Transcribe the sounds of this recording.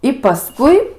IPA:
ɪ pɐˈskʊɪ

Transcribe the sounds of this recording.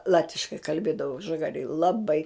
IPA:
ˈlˠɑːtʲʋʲɪʃkɐɪ kɐlʲˈbʲeːdɐʋoː ʒɐˈɡɑːrʲeːj lˠɐˈbɐɪ

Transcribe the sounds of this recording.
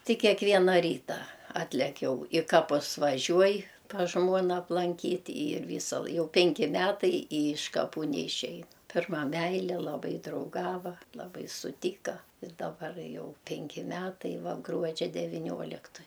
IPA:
ˈtʲɪ kʲɛkˈʋʲiɛnɐ ˈrʲiːtɐ ˈɑːtʲlʲɛk ˈjɛʊ ɪ ˈkɑːpʊs ʋɐˈʒʲuɔj pɐs ˈʒmuɔnɐ ɐplˠɐŋʲˈkʲiːtʲ iːr ˈʋʲiːsɐ lˠ ˈjɛʊ ˈpʲɛŋʲkʲɪ ˈmʲæːtɐɪ ɪ ɪʃ kɐˈpuː nʲɛɪˈʃʲæːjɛ ˈpʲɪrmɐ ˈmʲæɪlʲɛ lˠɐˈbɐɪ drɐʊˈɡɑːʋɐ lˠɐˈbɐɪ sʊˈtʲiːkɐ ɪr dɐˈbɐr ˈjɛʊ ˈpʲɛŋʲkʲɪ ˈmʲæːtɐɪ ˈʋɐ ˈɡruɔd͡ʒʲɛ dʲɛʋʲiːˈnʲoːlʲɪktoːj

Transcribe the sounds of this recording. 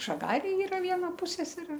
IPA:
ʒɐˈɡɑːrʲeːj ˈiːrɐ ˈʋʲiɛnɐ ˈpʊsʲɛsʲɛrʲeː

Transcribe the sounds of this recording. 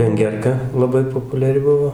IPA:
ʋʲɛŋʲˈɡʲɛrkɐ lˠɐˈbɐɪ poːpʊlʲɛˈrʲɪ ˈbʊʋoː

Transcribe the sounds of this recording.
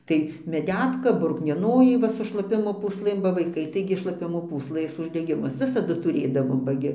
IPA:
ˈtɐɪ mʲɛˈdʲæːtkɐ brʊknʲiɛˈnoːjɛɪ ˈʋɐ sʊ ʃlˠɐˈpʲɪmoː pʊsˈlˠɘm bɐ ʋɐɪˈkɐɪ tɐɪɡʲɪ ʃlˠɐˈpʲɪmoː puːsˈlˠɘs ʊʒʲdʲɛˈɡʲɪmʊs ˈʋʲɪsɐdʊ tʊˈrʲeːdɐʋoːm bɐ ˈɡʲɪ

